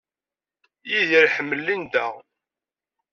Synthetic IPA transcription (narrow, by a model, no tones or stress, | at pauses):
jiðiɾħəmːəlːind̪æ